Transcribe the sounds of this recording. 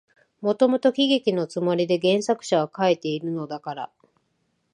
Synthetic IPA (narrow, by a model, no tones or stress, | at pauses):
mo̞t̪o̞mo̞t̪o̞kʲiɡe̞kʲino̞t͡sɨmoɾʲid̪e̞ɡẽ̞ɰ̃sakɯ̟̥ɕaβakaet̪e̞iɾɯ̟no̞d̪akaɾa̰